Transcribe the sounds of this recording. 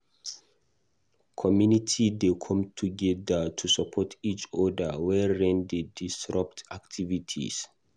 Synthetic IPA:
kʰɔmjunitʰidekʰɔ̃mtʰuɡɛdətʰusapʰɔtʰit͡ʃɔdəwɛɹĩndedisɹap̚taktʰivitʰḭs

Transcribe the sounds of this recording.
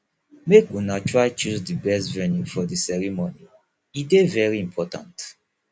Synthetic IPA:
mekunatʰɹaɪt͡ʃuzdibɛstvɛnjufɔdisɛɹimoni | idevɛɹiĩmpʰɔtã̰nt

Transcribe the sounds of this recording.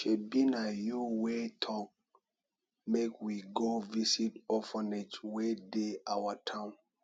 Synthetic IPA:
ʃebinajuwetʰɔk̚ | mekwiɡovisitɔfɔnɛt͡ʃwedeawatʰãʊ̃n

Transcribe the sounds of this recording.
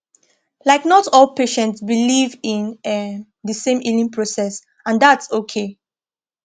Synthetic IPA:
laɪknɔtɔlˠpeʃɛ̃ntsbilivĩnɛ | dəsẽmilĩŋpʰɹosɛs | ãndatsokʰe

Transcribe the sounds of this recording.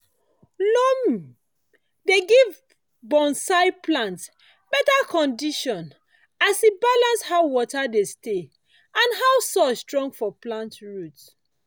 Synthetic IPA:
lɔm | deɡiv | bɔ̃nsaɪplãnts | bɛtakʰɔ̃ndiʃɔ̃n | asibalãnshaʊwɔtadeste | ãnɦawsɔstɹɔ̃ŋɡfɔplãntɹut

